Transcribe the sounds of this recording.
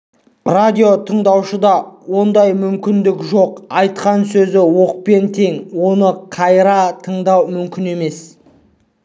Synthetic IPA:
rad̪ʲijo̞t̪ʰəɴd̪ɑwʃəd̪ɑwo̞nd̪ɑjmʏmkʲɪnd̪ɪkʒo̞qɑjt̪̚qɑnsɵzɪwo̞q̚pe̞nt̪ʰe̞ŋwo̞nəqʰɑjɾɑt̪ʰəɴd̪ɑwmʏmkʲɪne̞me̞s

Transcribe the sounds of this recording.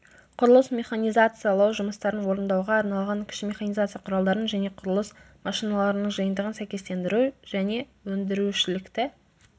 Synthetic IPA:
qʰʊɾəlˠəsmʲe̞χanijzat̪sɨjalˠɑwʒʊməst̪ɑɾənwo̞ɾənd̪ɑwʁɑːɾnɑlˠʁɑŋkʲʰɪ̥ʃɪmʲe̞χanijzat̪sɨjɑqʰʊɾɑlˠd̪ɑɾənʒæne̞qʰʊɾəlˠəs | mɑʃijnalˠɑɾənəɴʒəjənd̪əʁənsæjkʲe̞st̪e̞nd̪ɪɾuʒ̥æne̞wɵnd̪ɪɾuʃɪlɪkt̪ɪ

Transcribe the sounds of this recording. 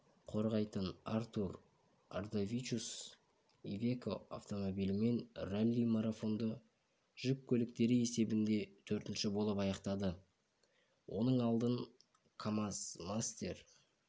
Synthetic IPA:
qʰo̞ɾʁɑjt̪ənart̪ur | a̰rd̪avʲit͡ʃus | ivʲe̞koa̰ft̪o̞mo̞bijlɪme̞nralʲːimaɾafo̞nd̪ə | ʒ̥ʏp̚kʲʰɵlɪk̚t̪e̞ɾɪe̞se̞bɪnd̪e̞t̪ʰɵɾt̪ɪnʃɪbo̞lˠəpɑjɑqt̪ɑd̪ə | wʔo̞̰nəɴɑlˠd̪əŋ | kʰamasmast̪e̞ɾ

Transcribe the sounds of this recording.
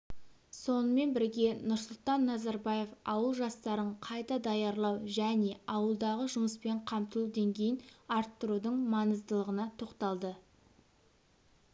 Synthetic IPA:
so̞nəme̞nbɪɾɡʲe̞nʊɾsʊlˠt̪ɑnːɑzɑɾbɑje̞fɑwəlˠʒɑst̪ɑɾəɴqʰɑjt̪ɑd̪ɑjɑɾlˠɑwʒæne̞ɑwəlˠd̪ɑʁəʒʊməspe̞ɴqʰɑmt̪əlˠud̪e̞ŋɡʲe̞jɪnɑɾt̪ːʊɾud̪əɴmɑnəzt̪əlˠəʁənɑt̪ʰo̞qt̪ɑlˠd̪ə

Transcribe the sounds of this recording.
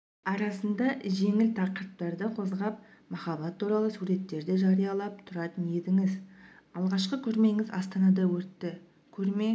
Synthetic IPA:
ɑɾɑsənd̪ɑʒe̞ŋɪlt̪ʰɑqəɾəp̪̚t̪ɑɾd̪əqʰo̞zʁɑp̚mɑχɑbɑt̪ʰːuɾɑlˠəsuɾe̞t̪ːe̞ɾd̪ɪʒɑɾijɑlˠɑp̚t̪ʰʊɾɑt̪ənje̞d̪ɪŋɪzɑlˠʁɑʃqəkʲʰɵɾme̞ŋɪzɑst̪ɑnɑd̪ɑwɵt̪ːɪ | kʲʰɵɾme̞

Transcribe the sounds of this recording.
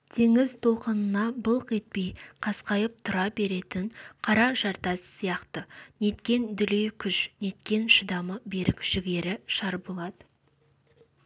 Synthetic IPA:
t̪ʰe̞ŋɪzt̪ʰo̞lˠqənənɑbəlˠqe̞t̪̚pe̞jqʰɑsqɑjəp̚t̪ʰʊɾɑbe̞ɾe̞t̪ɪɴqʰɑɾɑʒɑɾt̪ɑssijɑqt̪əne̞t̪kʲe̞nd̪ʏlejkʲʰʏʃne̞t̪kʲe̞nʃəd̪ɑməbe̞ɾɪkʒ̥ɪɡʲe̞ɾɪʃɑɾbolˠɑd̪ə

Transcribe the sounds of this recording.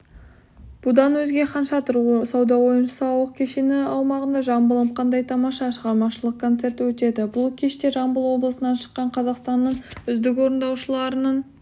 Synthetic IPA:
b̥ʊd̪ɑnwɵzɡʲe̞qʰɑnʃɑt̪ʰɾsɑwd̪ɑwo̞jənʃəsɑwəq̚kʲʰe̞ʃenɪɑwmɑʁənd̪ɑʒɑmbəlˠəpqʰɑnd̪ɑjt̪ʰɑmɑʃɑʃəʁɑɾmɑʃəlˠəq̚kʰːo̞nt̪se̞ɾt̪wɵt̪e̞d̪ɪbʊlˠkʲʰe̞ʃt̪e̞ʒɑmbəlˠwo̞blˠəsənɑnʃə̥qːɑɴqʰɑzɑqst̪ɑnːəɴʏzd̪ɪko̞ɾənd̪ɑwʃəlˠɑɾənɑɴ

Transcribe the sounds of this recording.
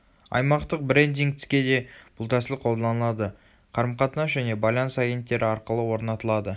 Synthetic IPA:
ɑ̰jmɑqt̪əq̚bɾe̞nd̪iŋkt̪ʰɪ̥skʲe̞d̪e̞b̥ʊlˠt̪ʰæsɪlɪqʰo̞lˠd̪ɑɑnəlˠɑd̪ə | qʰɑɾəmqɑt̪ənɑʒæne̞bɑlʲˠɑnsaɡʲe̞nt̪ːe̞ɾʔɪɑɾqəlˠəwo̞ɾnɑt̪əlˠɑd̪ə

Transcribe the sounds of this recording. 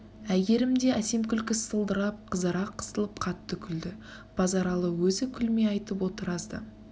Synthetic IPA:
æɡʲe̞ɾɪmd̪e̞æse̞mkʲʰʏlkʲɪssəlˠd̪əɾɑp̚qʰəzəɾɑqʰːə̥səlˠəp̚qʰɑt̪ːəkʲʰʏld̪ɪ | b̥ɑzɑɾɑlˠəwɵzɪkʲʰʏlme̞ɑjt̪əpwo̞t̪əɾɑzd̪ə̰

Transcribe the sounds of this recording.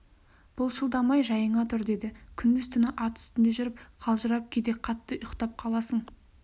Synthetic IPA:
b̥ʊlˠʃəlˠd̪ɑmɑjʒɑjəɴɑt̪ʰʊɾd̪e̞d̪ɪkʲʰʏnd̪ɪzt̪ʰʏnəʔɑt̪ʰʏ̥st̪ɪnd̪e̞ʒʏɾɪpqʰɑlˠʒəɾɑp̚kʲʰed̪e̞qʰɑt̪ːəjʊqt̪ɑp̚qʰɑlˠɑsəɴ

